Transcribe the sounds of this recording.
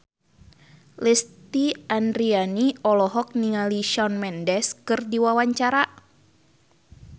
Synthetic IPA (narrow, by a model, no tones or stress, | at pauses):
lɛst̪iandɾianiɔlɔɦɔk̚niŋaliʃɔnmɛndɛskɨrdiwawaɲt͡ʃaɾa